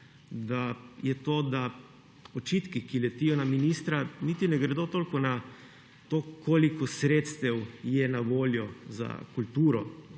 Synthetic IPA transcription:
d̪ajɛt̪oːd̪a | ot͡ʃiːt̪kikilɛt̪iːjɔnaminiːst̪ɾanit̪inɛɡɾɛd̪oːt̪oːlkɔna | t̪oːkoːlikɔsɾeːt̪st̪ɛwjɛnaʋoːljɔza̰kult̪uːɾɔ

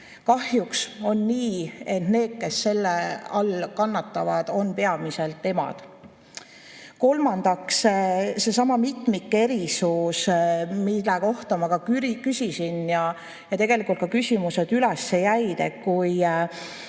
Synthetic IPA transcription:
kɑhjukso̞nːiːe̞t̪ne̞ːd̪̥̚ke̞sːe̞lːeɑlkɑnːɑt̪ːɑvɑd̪̥o̞npe̞ɑmise̞lt̪ːe̞mɑ̰d̪̥ | ko̞lmɑnd̪̥ɑksse̞sɑmɑmit̪ˑmikːe̞ɾisusmilːɛko̞ht̪ɑmɑkɑykysisinjɑ | jɑt̪e̞ɡ̥e̞likːˑult̪̚kɑkysʲimuse̞d̪ylesːe̞jæjd̪ekuj

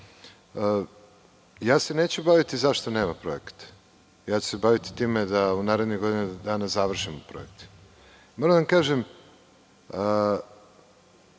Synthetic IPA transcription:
ə | jaːse̞ne̞ːt͡ɕubaʋit̪izaʃt̪one̞ːmapɾo̞ekḁt̪ | jaːt͡ɕu̥sebaʋit̪i̥t̪iːme̞d̪aunaːɾe̞d̪niɡo̞d̪inad̪aːnazaʋr̩ʃimopɾo̰ek̚t̪ | moɾamd̪aamkaːʒem | ə

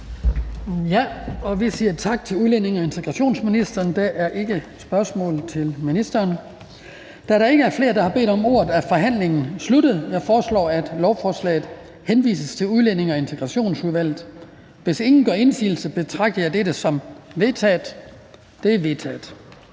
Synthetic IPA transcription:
jæɒ̽ʋisiːɐt͡sʰɑ̈ɡ̥̚t͡sʰe̝luðˠlene̝ŋɒe̝nt͡sʰeɡ̥ʁɑ̈ɕo̝̰ːnsminisd̥ɐːnd̥æʔæɐʔe̝ɡ̥ə | sb̥ɶɐsmɔ̰ːl̩ˠt͡sʰe̝lminisd̥ɐːn | d̥æɾɑ̈e̝ɡ̥əæɐfle̝ːɐd̥ɑ̈hɑ̈b̥e̝̰ːd̥ɒ̽mo̝ːɐð̩ˠæfɒ̽ɦæn̰le̝ŋn̩slud̥əð̩ˠjɑ̈ɪfɒːslɒ̰ːæd̥lɒʊfɒːslɛ̰ːð̩ˠ | henʋḭːsəst͡sʰe̝luðˠlene̝ŋɒe̝nt͡sʰeɡ̥ʁɑ̈ɕo̝̰ːnsuðˠʋæl̰ð̩ˠ | ʋe̝se̝ŋn̩ɡ̥ɶ̰ɐe̝nsḭːl̩səb̥e̝t͡sʰʁɑ̈ɡ̥̚d̥ɐjɑ̈ɪd̥eɾəsɒ̽mʋe̝t͡sʰɛ̰ːd̥ | d̥e̝æɐʋe̝t͡sʰɛ̰ːd̥

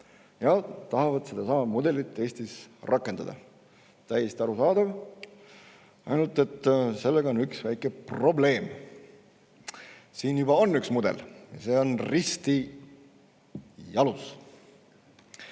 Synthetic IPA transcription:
jɑt̪ɑhɑvɑd̪̥se̞d̪ɑsɑmɑd̪mud̪e̞lit̪ːˑe̞ːsʲt̪isrʔɑkːˑend̪ɑd̪̥ɑ̰ | t̪æjːest̪iɑɾusɑːd̪̥ɑv | ɑ̰jnult̪e̞t̪ːse̞lːeɡɑo̞nyksvæjkːˑe̞pro̞ble̞ːm | siːnjubɑo̞nːyksmud̪̥e̞̰ljɑ̰se̞ːo̞nrist̪i | jɑlus

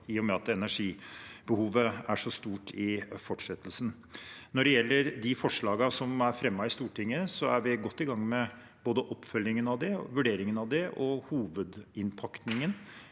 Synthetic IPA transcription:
iːɔmɛɑt̪ɛnæʂiːbəhuːʋəæʂɔst̪uːʈʰɪfɔʈʂɛt̪ːəlsn | nɔɖɛjɛlːəɾd̪ɪfɔʂɭɑːɡɑsɔmæɾfɾɛmːɑɪst̪uːʈʰɪŋːəsɔæ̰ɾʋɪɡɔt̪ːɪɡɑŋːmɛ | boːd̪əʔɔpːfœljɪŋənɑʋd̪ɛʋʉɖeːɾɪŋənɑʋd̪ɛʔɔhuːʋəd̪ɪnpʰɑkt̪nɪŋən

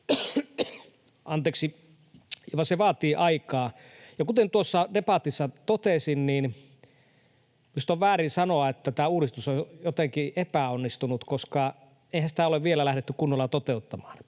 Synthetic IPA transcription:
ʔɑnt̪eːksi | ʋɑseʋɑːt̪iːʔɑikɑː | jɑkut̪ent̪uosːɑdepɑt̪isːɑt̪ot̪esinniːn | mist̪oʋʋæːɾinsɑnoɑet̪ːæt̪æːuːɾist̪usojjot̪eŋkiʔepæonːist̪unut̪koskɑ | eˑihænsĭ̥t̪æˑoleʋʋielælæhɾet̪ːykunːolːɑt̪ot̪eut̪ːɑmɑ̥ːn

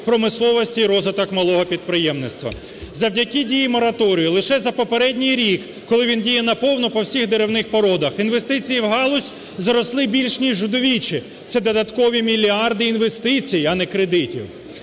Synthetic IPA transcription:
pɾɔmɪslˠɔʋɔsʲtʲiːɾɔzʋɪt̪ɔkmɐlˠɔɦɔpʲid̪̚pɾɪjɛmnɪst̪ʋɐ̰ | zɐwdʲɐkʲidʲijimɔɾɐt̪ɔɾʲijʊlˠɪʃɛzɐpɔpeɾɛdʲnʲijɾʲikːɔlˠɪʋʲindʲijɛnɐpɔwnɔpɔwsʲiɣd̪eɾewnɪxpɔɾɔd̪ɐxinʋe̞st̪ɪt͡sʲijiwɦɑlˠʊsʲ | zɐɾɔslˠɪbʲilʲʃnʲiʒːʊd̪ɔʋʲit͡ʃi | t̪sɛd̪ɔd̪ɐt̪kɔʋʲimʲilʲiɑrd̪ɪinʋest̪ɪt͡sʲijɐnɛkɾed̪ɪtʲḭw

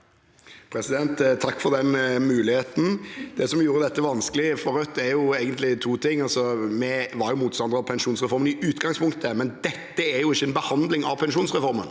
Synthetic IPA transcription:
pʰɾɛsɪd̪ɛnt̪t̪ʰːɑkːfɔɾd̪ɛnmʉːlɪheːt̪n̩d̪̥ɛsɔmjuːɾəd̪ɛt̪ːəʋɑnskəlɪfɔɾœt̪ːɛɾjʊeːɡənt̪lɪt̪ʰuːt̪ʰɪŋːɑlsɔmɛʋɑɾjʊmuːt̪st̪ɑnd̪ɾɑʋpʰɛnʂuːnsʁɛfɔɾmənɪʔʉːt̪ɡɑŋspʰʊŋkt̪əmɛnd̪ɛt̪ːəæɾjʊɪçːəɛnbəhɑnd̪lɪŋɑ̰ʋpʰɛnʃuːnsʁɛfɔɾmə̰n

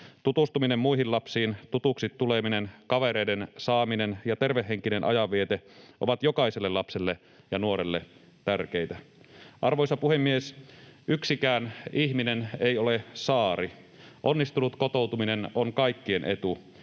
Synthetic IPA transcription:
t̪ut̪ust̪uminemːuiɦillɑpsiːnt̪ut̪uksit̪ːuleminenkɑʋeɾeidensɑːminenjɑt̪erʋehːeŋkinenʔɑ̰jɑʋiet̪eʔo̰ʋɑt̪jo̞kɑiselːelɑpselːe | jɑnuoɾelːe | t̪ærk̟ejt̪æʔɑrʋojsɑpuhemːiesʔyksikæːniçminenejolesɑːɾi | ʔonːist̪unut̪kot̪owt̪uminenoŋkɑikːienʔe̞t̪u

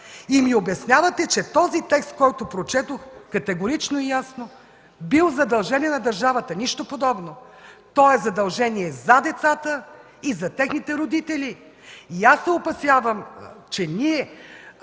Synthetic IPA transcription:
imiobɛsnʲjavɐt̪ɛt͡ʃɛt̪ɔzit̪ɛkst̪̚kɔjt̪opɾot͡ʃɛt̪oxkɐt̪ɛɡoɾit͡ʃnoijasno | bilˠzɐd̪ɐlˠʒɛniɛnɐd̪ɐɾʒavət̪əniʃt̪opod̪ɔbno | t̪ɔɛzɐd̪ɐlˠʒɛniɛzɐd̪ɛt̪sat̪ə | izɐt̪ɛxnit̪ɛɾod̪it̪ɛli | iasːɛopɐsʲjavəmt͡ʃɛniɛ

